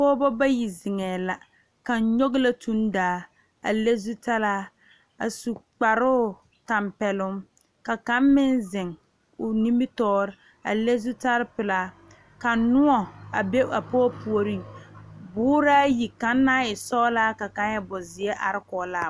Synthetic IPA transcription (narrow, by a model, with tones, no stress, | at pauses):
pɔː˦bɔ˦ba˦ji˨zɪ˨ŋɛː˨la˨ | ka˨˦ɲo˦ɡla˦tu˦ndaː˨˦ | a̰˨le˦zu˦ta˦laː˦ | a˨su˨k͡pa˨ɾʊː˦˨ | ta˨mpɛ˨lʊ˦m | ka˨ka˦mmɪ˦nzɪ˨ŋ | ʊ˨ni˦mɪ˦tɔː˦ɾɪ˦ | a̰˨le˦zu˦ta˦ɾpɪ˨laː˦ | ka˨nʊ˦ɔ˨a˨be˦a˨pɔː˦pu˨o˨ɾi˦bʊː˦ɾaː˦ji˨ka˨nːa˦ɪ˨sɔː˦laː˦ka˨ka˦n˦jɛ˦bɔ˨zɪ˨ɛ˦ʔa̰˨ɾɪ˦kɔ˨˦laː˦˨